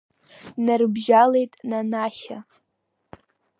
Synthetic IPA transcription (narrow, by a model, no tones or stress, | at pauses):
narɨbʒalejtʼnanaʃa